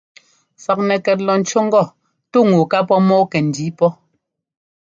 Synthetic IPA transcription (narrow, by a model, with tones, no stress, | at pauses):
fa˨k̚nɛ˨kɛ˨t̬̚lɔ˨n̩˨t͡ʃɔ˦ŋ̩˦ɡɔ˦˨ | tu˦ŋu˨ka˦pɔ˦mɔː˦kɛ˨n̩˨di˨˦pɔ˦